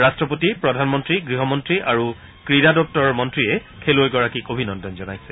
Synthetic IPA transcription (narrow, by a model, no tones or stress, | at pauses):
ɹastɹɔpotipɹɔdʱanmɔntɹiɡɹiɦɔmɔntɹiʔaɹu | kɹidadɔp̚tɔɹɔmɔntɹijɛ | kʰelojɡɔɹakikobʱinɔndɔnzɔnajsɛ̥